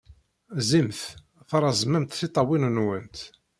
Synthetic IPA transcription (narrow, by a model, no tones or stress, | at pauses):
zimθ | θɑɾˤɑzˤmæmt̪θit̪ˤːɑwinənwənt̪